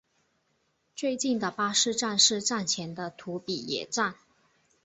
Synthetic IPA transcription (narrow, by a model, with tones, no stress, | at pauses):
t͡swe˥˧ɪt͡ɕi˥˩nd̪ə˩pa˥ʂɻ̩˥˧ʈ͡ʂa˥˧nʂɻ̩˥˧ʈ͡ʂa˥˩nt͡ɕʰjɛ˧˥nd̪ə˧t̪ʰu˧˥pi˨˩jɛ̰˨˩ʈ͡ʂa˥˩n